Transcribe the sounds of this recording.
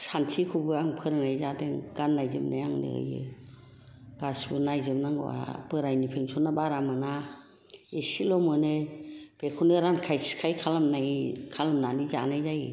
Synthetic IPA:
santʰikʰubɯaŋpʰɯɾnajzadeŋɡ̥anːajzɯm̚najaŋnɯ̰ɯ̰jɯ̰ | ɡ̥asbɯnajzɯmnaŋɡɯ̰a̰bɯɾajnipʰeŋsʰɔnabaɾamana | esilɔmɯneb̥ekʰunɯɾankʰajskʰajkʰalamnajkʰalamnanizanajzaj

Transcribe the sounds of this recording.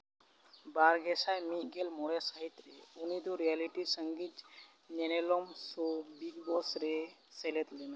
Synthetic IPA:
baɾɡesajmiɡelmoɽesaɦit̪ːɾeunid̪uɾijaliʈisəŋɡit̪ | ɲenelomsobiɡbɔsɾe | selet̪lin

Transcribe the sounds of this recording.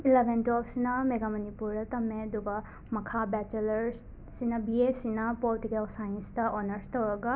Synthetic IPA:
ilebʱentolsinɐmeɡamɐnipuɾdɐtɐmːeɐd̪uɡɐ | mɐkʰabɛt͡ʃelɐɾ | sinɐbiesinɐpoltikelsajnstɐʔonɐɾstowɾɐɡɐ

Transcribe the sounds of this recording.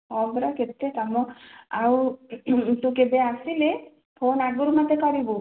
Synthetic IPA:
ɔbɾaket̪ːek̪amɔau | t̪ukebeasile | pʰonaɡuɾumat̪ekɔɾibu

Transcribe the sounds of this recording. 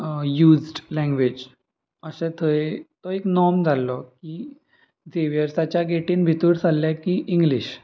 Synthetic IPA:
juːd͡zɖlɛ̃ŋɡʋed͡ʑ | əsɛ̃t̪ʰəet̪ɔeknɔmd͡zʱalːɔki | d͡zeʋjəɾsat͡ɕjaɡeʈiːnbʱit̪uːɽd͡zalːɛkiʔiŋɡliɕ

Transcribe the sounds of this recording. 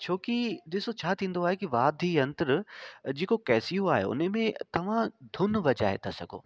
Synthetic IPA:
t͡ɕʰoːkiɗ̪ɪsot͡ɕʰaːt̪ʰĩːn̆d̪oaːɦekiʋaːd̪ʱiɐ̃nt̪əɾd͡ʑeːkokɛːsijoaːɦḛʊ̰nemẽt̪ɐʋ̤ãd̪ʱʊnʋɐd͡ʑa̰ːɦḛt̪ʰasɐɡʱo̰ː

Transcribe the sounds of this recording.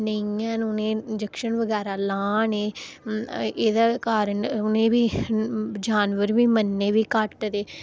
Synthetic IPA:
nəĩãːnːnẽːd͡ʒəkʃənʋəɡɛːɾaːlaːneː | eːd̪aːkaːɾənʊnẽːbiː | d͡ʒaːnʋəɾʋiːmənːeːʋiːkəʈd̪eː

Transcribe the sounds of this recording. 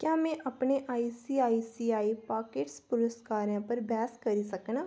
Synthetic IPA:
kjaːmɛ̃ʔɐpneʔaːisiːaːisiːaːipaːkeːʈspʊɾəskaːɾjãːpəɾbɛːskɐɾisəknaː

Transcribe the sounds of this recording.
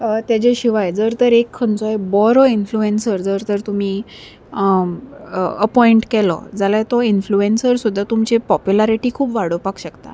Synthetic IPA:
t̪jad͡ʑeɕiʋajd͡zəɾt̪əɾekʰːəɳt͡sɔebɔɾɔinfluensəɾd͡zəɾt̪əɾt̪um̤iː | əpɔiɳʈkɛlɔ̰d͡zalajt̪ɔinfluensəɾsud̪ʱːat̪umt͡ɕepɔpjulaɾiʈiːkʰuːpʋaɽ̤əʋpakɕəkt̪a̰

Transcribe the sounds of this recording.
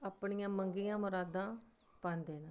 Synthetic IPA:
əpɳijãːməŋɡijãːmʊɾaːd̪ãː | pãːnd̪eːna

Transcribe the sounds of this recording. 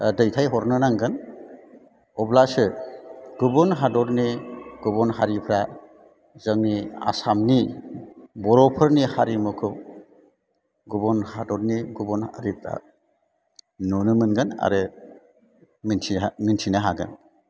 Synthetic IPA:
dɯjtʰajɦɔɾnɯnaŋɡɯn | ɔblasɯɡubɔnɦadɔɾniɡ̥ubɔnɦaɾipʰɾa | zəŋnia̰samni | bɔɾɔpʰɯɾnihaɾimɔkʰɯw | ɡubɔnhadɔɾniɡubɔna̰ɾipʰɾa̰ | nunɯmɯnɡɯna̰ɾɯ | miniamintʰinaɦaɡɯ̰n

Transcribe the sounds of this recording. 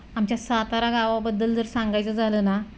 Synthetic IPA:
amt͡ɕjasat̪aɾaɡaʋabəd̪ːəld͡zəɾsãŋɡajt͡səd͡zʱaləːna

